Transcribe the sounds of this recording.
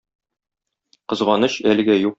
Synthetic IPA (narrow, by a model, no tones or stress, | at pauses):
qɤ̆zʁɑnɤɕælɘ̆ɡæjuq